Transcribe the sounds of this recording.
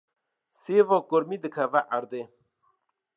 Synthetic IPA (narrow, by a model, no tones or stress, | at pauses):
sevokoɾmid̪əkʰavaʔɐɾd̪e